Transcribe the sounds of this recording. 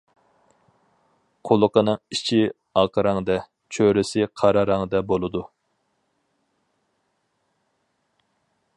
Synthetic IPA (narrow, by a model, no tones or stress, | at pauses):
qʰolˠəqənɨŋit͡ʃʰi | ɑqəɾɑŋd̪ɛ | t͡ʃʰøɾɪsɪqʰɑɾɑɾɑŋd̪ɛbolˠɨd̪u